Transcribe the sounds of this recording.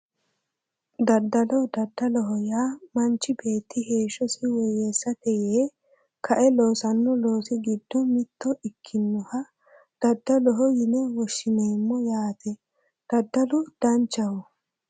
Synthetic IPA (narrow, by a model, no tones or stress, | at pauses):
d̪ɐd̪ːɐlɔd̪ɐd̪ːɐlɔɦɔjaːmɐnt͡ʃːɪbe̞ːt̪ːɪhe̞ːʃɔsɪwɔjɛsːɐt̪ɛjeː | kʰɐʔɛloːsɐnːɔlo̞ːsɪɡɪd̪ːɔmɪt̪ːɔʔɪkʰːɪnːɔhɐ | d̪̥ɐd̪ːɐlɔɦɔjɪnɛwɔʃːɪneːmːɔjaːt̪ɛ | d̪̥ɐd̪ːɐlʊd̪̥ɐnt͡ʃːɐwɔ